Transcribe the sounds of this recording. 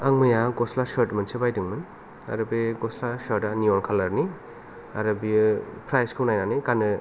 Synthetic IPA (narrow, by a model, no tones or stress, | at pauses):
aŋmɐjaɡɔslasaɾtmɐnsebajdɯŋmɯn | a̰ɾɯbeɡɔslasaɾtaniɔnkʰalaɾni | aɾɐbipʰɾajskʰɯunajnanɯjkanɯ